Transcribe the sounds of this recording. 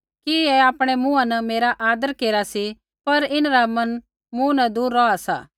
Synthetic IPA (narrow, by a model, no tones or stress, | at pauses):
kiɛaːpɽ̃emũanɐmeːɾaʔaːd̪əɾkeːɾasi | pɐɾɪnɾamɐn | mũnɐd̪uːɾːɔasa̰ː